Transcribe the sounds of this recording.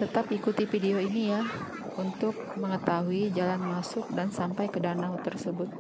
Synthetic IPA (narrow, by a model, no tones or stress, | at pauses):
t̪ət̪apikut̪ifideoinija | unt̪ʊk̚məŋət̪aɦuid͡ʒalanmasʊk̚dansampajkədanaɦut̪ərsəbʊt̪̚